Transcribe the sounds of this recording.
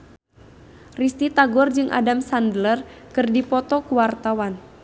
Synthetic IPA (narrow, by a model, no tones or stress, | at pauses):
rist̪it̪aɡɔrd͡ʒɨŋʔa̰damsandələrkɨrdipɔt̪ɔkuwart̪awan